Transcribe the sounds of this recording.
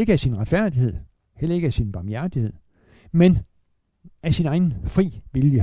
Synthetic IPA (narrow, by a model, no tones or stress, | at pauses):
e̝ɡ̥əæsinʁäd̥fæɐ̰d̥ihe̝ð̞̰ˠ | hel̰ɐe̝ɡ̥əæsinb̥ɑ̈mjæɐd̥ihe̝ð̞̰ˠ | men | ʔæsinɑ̈ɪn̩fʁḭːʋiljə